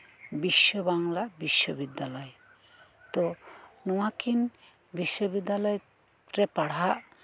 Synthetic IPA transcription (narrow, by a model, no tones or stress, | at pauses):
biʃːoβaŋlabiʃːobid̪ːalɔe | t̪onowakin | biʃːobid̪ːalɔj | ɾepaɽ̤aʔ